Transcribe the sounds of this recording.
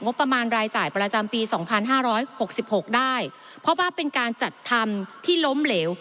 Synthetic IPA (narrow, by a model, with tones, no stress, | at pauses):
ŋo˦˥pːɾa˧maː˧nɾaː˧jt͡ɕaː˨˩jpɾa˧t͡ɕa˧mpiː˧sɔː˩˦ŋpʰa˧nɦaː˥˩ɾɔː˦˥jho˨˩k̚si˨˩p̚ho˨˩k̚daː˥˩j | pʰɾɔ˦˥waː˥˩pe˧nkaː˧nt͡ɕa˨˩t̪ʰːa˧mt̪ʰiː˥˩lo˦˥mleː˩˦w